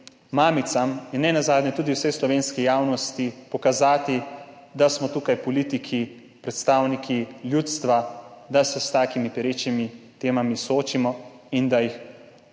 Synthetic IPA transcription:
maːmit̪samjɛnːɛnazaːd̪nʲɛt̪uːd̪iwsɛjslɔʋeːnskijaːwnɔst̪ipɔkazaːt̪id̪asmɔt̪uːkajpɔliːt̪ikʰi | pɾɛt̪st̪aːwnikʰiljuːt̪st̪ʋad̪asɛst̪aːkimipɛɾeːt͡ʃnimit̪eːmamisoːt͡ʃimɔind̪ajix

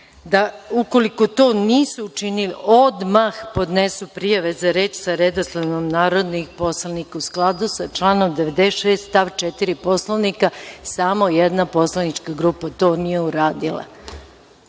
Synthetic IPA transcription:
d̪auko̞liko̞t̪o̞ːniːsuːt͡ʃinilio̞d̪maxpo̞d̪nesupɾijaʋezaɾeːt͡ʃsaɾed̪oslˠaʋnomnaːɾod̪nixpo̞slˠanikausklˠad̪usat͡ʃlˠaːno̞md̪eʋed̪eʃeːst̪st̪aːʋt͡ʃet̪iɾipo̞slˠaʋnikasamo̞jɛd̪napo̞slˠanit͡ʃkaɡɾupat̪o̞ːnijeuɾaːd̪ilˠa̰

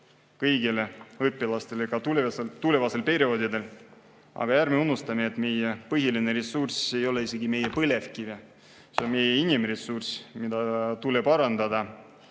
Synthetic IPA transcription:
kɤjɡile̞ɤpːˑilɑst̪e̞leɡɑt̪uet̪ulevɑse̞lpe̞ɾio̞ːd̪id̪̥e̞l | ɑ̰ɡ̥ɑjæɾmeunːust̪ɑmeːt̪ːˑme̞jepɤɦjiline̞ɾesːurse̞jo̞le̞ise̞ɡime̞jepɤle̞fkive | seonme̞jeinimresːursmid̪̥ɑt̪ule̞pɑɾɑnd̪ɑd̪ɑ

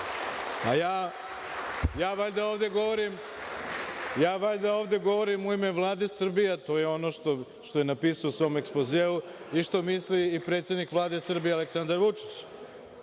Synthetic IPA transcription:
ajaː | jaːʋaʎd̪aoːʋd̪e̞ɡo̞ʋo̞ɾim | jaːʋaʎd̪aoːʋd̪e̞ɡo̞ʋo̞ɾimuime̞ʋlˠaːd̪esr̩bijet̪o̞jeo̞no̞ʃt̪o | ʃt̪ojenapiːsaousʋo̞mekspozeːu | iʃt̪o̞misliːpɾet̪sjed̪nikʋlˠaːd̪e̞sr̩bijealeksand̪aɾʋut͡ʂi̥t͡ɕ

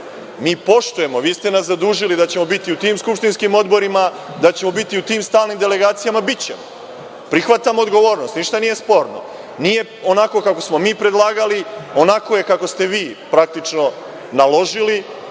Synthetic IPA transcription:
miːpo̞ʃt̪uje̞mo̞ʋiːst̪e̞naszad̪uːʒilid̪at͡ɕe̞mo̞bit̪iut̪iːmskupʃt̪inskimo̞d̪bo̞ɾima | d̪at͡ɕe̞mo̞bit̪iut̪iːmst̪aːlnimd̪e̞le̞ɡaːt̪sijamabit͡ɕe̞̰mo | pɾixʋat̪amood̪ɡo̞ʋo̞ːɾnost̪niʃt̪anije̞spo̞ɾno̰ | nije̞ | o̞nako̞kako̞smo̞miːpɾe̞d̪lˠaːɡalio̞nako̞je̞kako̞st̪e̞ʋiːpɾak̚t̪it͡ʂno̞ | nalˠo̞ʒili

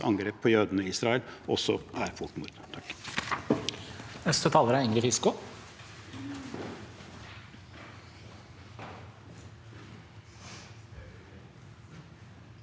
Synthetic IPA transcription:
ɑ̰ŋɡɾeːpʰɔjøːd̪ənəiːsɾɑːɛlʔɔsɔæɾfʊʈmṵɾd̪t̪ʰɑkː | œst̪ət̪ʰɑːləɾæɪŋɾɪfɪskʊ

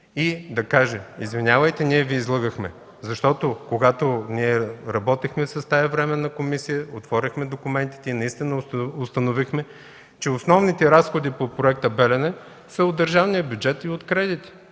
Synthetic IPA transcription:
id̪ɐkaʒɛizvinʲavəjt̪ɛniɛviːzlˠɤɡəxmɛ̰ | zɐʃt̪ɔt̪okoɡat̪oniɛɾɐbɔt̪ixmɛsɐst̪ajɐvɾɛmɛnːɐkomisijəot̪vɔɾʲəxmɛd̪okʊmɛnt̪i̥t̪ɛinɐist̪inəʊst̪ɐnovixmɛ | t͡ʃɛʊsnɔvnit̪ɛɾasxod̪ipopɾoɛk̚t̪əbɛlɛnɛ | səod̪d̪əɾʒavnijəbʲjʊd͡ʒɛt̪iot̪kɾɛd̪it̪i̥

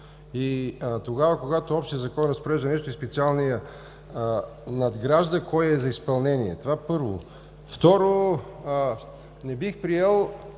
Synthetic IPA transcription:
it̪oɡavəkoɡat̪oɔpʃt̪ijəzɐkɔnɾɐspoɾɛʒd̪ɐnɛʃt̪oispɛt̪sialˠnijə | nɐd̪ɡɾaʒd̪əkɔjɛzɐispɐlˠnɛniɛ̰t̪ovapɤɾvo̰ | ft̪ɔɾo | nɛbixpɾiɛlˠ

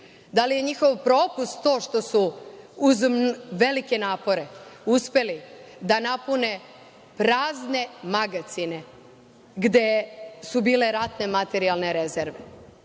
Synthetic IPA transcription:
d̪alije̞ɲixo̞ʋpɾo̞ːpust̪t̪o̞ːʃt̪o̞suuzʋe̞like̞naːpo̞ɾe̞uspe̞lid̪anapune̞ | pɾaːzne̞maɡat̪sine̞ | ɡd̪e̞subiːle̞ɾat̪ne̞mat̪e̞ɾialne̞ɾe̞zeɾʋe

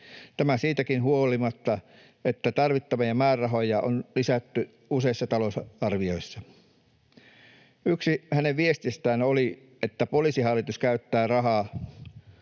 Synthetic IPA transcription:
t̪æmæsiːt̪ækinhuolimɑt̪ːɑ | et̪ːæt̪ɑrʋit̪ːɑʋɑjɑmæːrɑɦojɑonlisæt̪ːy | useisːɑt̪ɑlosɑrʋio̞isːɑ | yksihæneʋʋiest̪ist̪æːnoli | ʔet̪ːæpolisiɦhɑlːit̪uskæyt̪ːæːrɑɦɑː

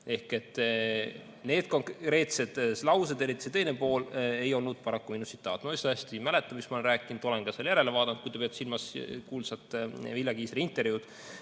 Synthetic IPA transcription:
e̞hke̞t̪ˑː | ne̞ːd̪̥̚ko̞ŋkɾe̞ːt̪se̞d̪̥lɑwsed̪̥e̞ɾit̪ːˑi̥set̪ejnepo̞ːle̞jo̞lnud̪̥̚pɑɾɑkːuminusit̪ːˑɑːt̪ːˑnoisɑæsʲt̪imæle̞t̪ːˑɑmismɑolenɾæːkːˑind̪̥o̞lenɡ̥ɑseljæɾe̞levɑːd̪̥ɑnd̪̚kujt̪epeɑt̪silmɑskuːlsɑt̪ːˑviljɑkiːsɾiint̪ːˑe̞ɾrvjud̪

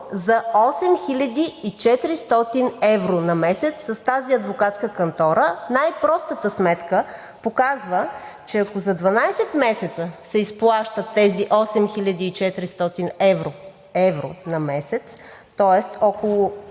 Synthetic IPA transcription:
zɐɔsɛmxilʲɐd̪ʲiːt͡ʃɛt̪ɾist̪ɔt̪inɛvɾonɐmɛsɛt̪sːɐst̪aziɐd̪vokat̪skəkɐnt̪ɔɾənajpɾɔst̪ət̪əsmɛt̪kə | pokazvət͡ʃɛɐkozɐd̪vɐnajsɛt̪mɛsɛt̪səsɛisplˠaʃt̪ət̪ːɛziʔɔsɛmxilʲɐd̪iːt͡ʃɛt̪ɾist̪ɔt̪inɛvɾo | ɛvɾo̰nɐmɛsɛt̪s | t̪ɔɛst̪ɔkolˠʊ

